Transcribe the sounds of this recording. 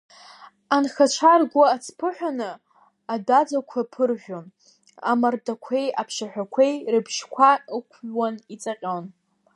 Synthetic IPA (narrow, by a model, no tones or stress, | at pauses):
anxat͡ʃʷʰarɡʷaːt͡sʰpʰɨħʷᶣanɨ | adad͡zakʷʰapʰɨrʒʲʷᶣon | a̰mardakʷʰe̞japʰʂaħᶣʷakʷʰejrɨbʃkʷʰaɨkʷʰɥwanit͡sʼaqʲʼon